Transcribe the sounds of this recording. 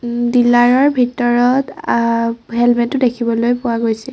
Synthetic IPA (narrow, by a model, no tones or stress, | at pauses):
dilaɹɔɹbʱitɔɹɔt | ɦɛlmɛtʊdekʰibɔlojpʊaɡojsɛ